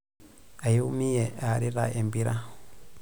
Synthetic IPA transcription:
ʔajumijɛʔaːɾiɾa̰ʔɛmbiɾa

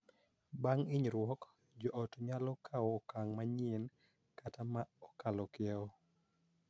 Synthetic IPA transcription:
baŋɪɲɾwɔk | d͡ʒɔʔɔtɲalɔkʰawɔkaŋmaɲen | katamaɔkalɔkɪɛɔ

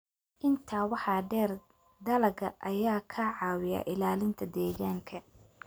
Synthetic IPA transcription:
ʔɪnt̪ʰaːwɑħɑːɖɛːr | d̪ɐlɐɡɐʔɐjaːkʰɐʕɑːwɪja̰ːʔɪlaːlɪnt̪ʰɐd̪ɛːɣaːŋkʰɐ

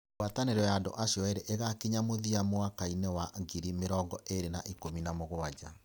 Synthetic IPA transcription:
wataneɾɔjaːndo̰ʔaɕjɔeɾɛʔeɣakeɲamoðiamoakainɛwaɡiɾimeɾɔŋɡɔʔeɾenaʔikominamoɣoad͡ʑa

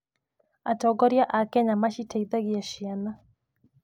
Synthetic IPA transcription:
atɔɡɔɾjaʔakɛɲamaʃitaiðaɡijaʃiana

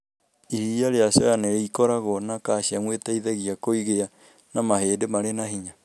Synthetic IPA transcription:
ihijaɾeasɔjaneɾeikɔɾaɣɔnakaɕiamwetaiðɛɣiakoiɣea | namaɦeːdemaɾenahiɲa

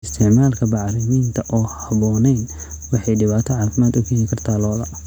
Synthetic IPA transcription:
ɪst̪ʰɪʕmaːlkʰɐbɑʕrɪmiːnt̪ʰɐʔɔːhɐβɔːnɛjn | wɑħɑjɖɪβaːt̪ʰɔʕɑːfɪmaːd̪ʊɣʊjikʰɐrt̪ʰaːlɔːðɐ

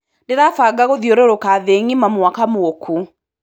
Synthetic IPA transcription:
neðafaɡaɣoðjoɾoɾokaðeŋimamwakamookʰu

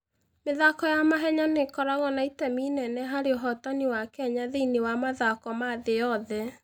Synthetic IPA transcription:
meðakɔjamaɦɛɲanekɔɾaɣɔnaitɛminɛnɛɦaɾeoɦɔtaniwakɛɲaðeinewamaðakɔmaðejɔðɛ

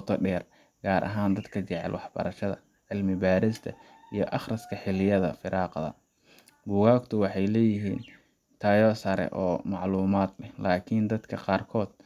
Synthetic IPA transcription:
t̪ʰɔɖɛːr | ɡ̥aːɾʔɐ̰ɦaːnd̪ɐd̪kʰɐt͡ʃɛʕɛ̰lwɑħb̥ɐ̰ɾɐʃɐðɐ̰ | ʕɪlmɪbaːɾɪst̪ʰɐ | ijɞʔɑχrɐskʰɐħɪlɪjɐðɐ̰fɪɾɑːqðɐ̰ | buːɣaːkt̪ʰʊwɑħɑjlɛːjɪɦiːn | t̪ʰaːjɔːsɐɾɛ̰ʔɔːmɑʕluːmaːd̪lɛhlaːkʰind̪ɐd̪kʰɐqɑːrkʰɔːd̪̥̚

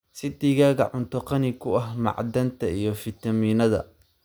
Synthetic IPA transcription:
sɪd̪iːɣaːɣɐ̰ʕʊnt̪ʰɔqɑnɪkʰʊɐɦmɑ̰ʕd̪ɐnt̪ʰɐijɞfɪt̪ʰɐmiːnɐðɐ̰

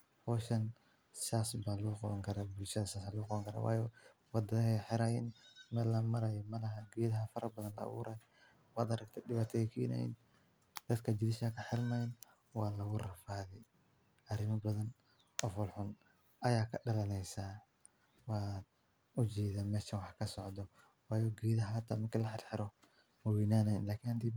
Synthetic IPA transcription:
hɔːʃɐn | saːsbaluqɔβɐŋkʰɐɾabʊlʃɐðɐsaːsalʊɣʊqɑβɐŋkʰɐɾa̰ːwɑ̰ːjɔ | wɑd̪ɐɦɛħɪɾɐjɛnmɛlɐmɐɾɐjɔmɐlɐɦɐɡɛːðɐɦɐfɐɾʔɐbɐðɐnlɐ̰ːβṵːɾʔaj | wɑːd̪ɐɾɐɡ̚t̪ʰɛdɪβaːt̪ʰɛɪkʰʊjɛna̰ːjḭn | d̪̥ɐd̪kʰɐd͡ʒɪdɪʃakʰɐħɪlmajn | wɑːlɐɣʊrɐfaːðɛ | ʔɐɾɪmɐbɐðɐn | ɔːfʊlħʊn | ʔɐjaːkʰɐɖɐlɐnɛjsaː | wɑːd̪ | ʊt͡ʃɛːðaːmɛːʃɐwɑħkʰɐsɔʕd̪ɔ | wɑːjɔːɡiːðɐɦɐhɐt̪ʰːaːmɐrkʰilɐħɪɾħɪɾɔ | mɐwinaːnɐjɪnlaːkʰinhɐnt̪iː

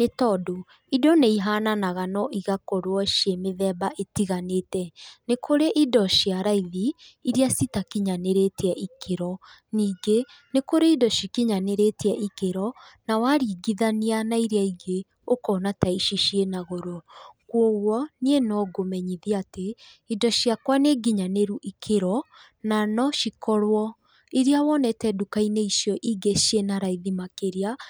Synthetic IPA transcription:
netɔdo | idɔneiɦaːnanaɣanɔʔiɣakoɾwɔʃemeðɛbaʔetiɣaneːtɛnekʰoɾeʔidɔʃiaɾaiðiːɾiasitakiɲaneɾetɛʔikʰeɾɔ | niːɡe | nekoɾeidɔʃikiɲaneɾetɛʔikeɾɔnawaɾiːɡiðanianaiɾiaiɡe | okɔːnataiʃiʃienaɣoɾokwɔɣwɔnienɔɡomɛɲiðiate | idɔʃiakwaneɡiɲaneɾuʔikʰeɾɔ | nanɔʃikɔɾwɔ | iɾiawɔnɛtɛdukaineiʃjɔʔiɡeʃienaɾaiðimakeɾia

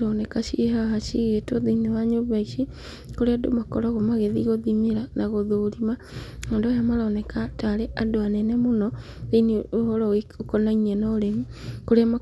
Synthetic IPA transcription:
ɾɔnɛkaɕiɦaɦaʃiɣetɔðinewaɲoβaiʃi | koɾeado̰makɔɾaɣomaɣeðiɣoðimeɾanaɣoðoɾima | eːndɔjamaɾɔnɛkataɾeʔadoanɛnɛmonɔ | ðineohɔɾɔeokɔnaiɲɛnɔɾemu | koɾeama

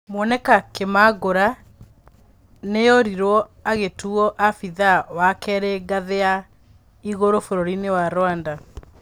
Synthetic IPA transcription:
mwɔnɛkakemaɣoɾa | nejɔɾiɾɔaɣetuɔʔafiðawakɛɾɛɡaðea | iɣoɾofoɾoɾinewaɾwanda

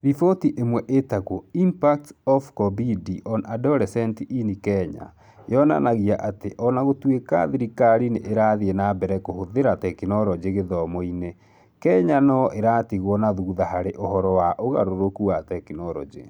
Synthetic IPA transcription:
ðifotiʔemwɛʔetakoimpak̚tɔfkɔbidiʔɔnadɔlɛsɛntiʔinikɛɲa̰ | jɔna̰naɣiaʔateʔɔnaɣotweka̰ðiɾikaɾineʔeɾaðienabɛɾɛkohoðeɾatɛkinɔɾɔd͡ʑeɣeðɔmoine | kɛɲanɔʔeɾaːtiɣwɔnaðuðahaɾeʔohɔɾɔwaʔoɣa̰ɾoɾokuatɛkinɔɾɔ̰d͡ʒḛ

